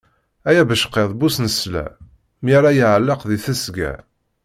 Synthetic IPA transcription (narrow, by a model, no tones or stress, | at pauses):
æjæbəʃqːeðˤbusnəslæ̰ | mjaɾajiʕəlːəqðiθæsɡæ̰